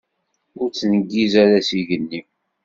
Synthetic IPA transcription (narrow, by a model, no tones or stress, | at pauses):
ʊɾt͡sːnəɡːizæɾæsiʝənːi